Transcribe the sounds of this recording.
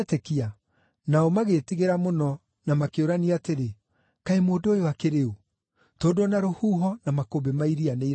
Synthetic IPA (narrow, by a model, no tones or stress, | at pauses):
tekia | naɔmaɣetiɣeɾamonɔ | namakeoɾaniateɾe | kaemoːdojowakeɾeo | toːdonaɾohuːɦɔnamakobemaiɾianei